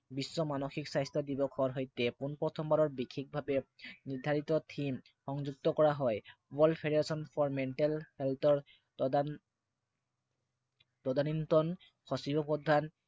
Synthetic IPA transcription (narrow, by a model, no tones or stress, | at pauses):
bisːɔmanɔxiksajstʰɔdibɔkʰɔɹɦɔjtɛpunpɔtʰɔmbaɾɔɹbikʰːik̚bʱabɛniɹdʱaɹit̪ɔtʰim | xɔŋzuɡ̚t̪ɔkɔɹaɦɔjwɔlpʰeɾeɹasɔnpʰɔɹmɛɳʈɛlhɛltɔɹ | tɔdanintɔn | xʰɔsibɔpɔdʱan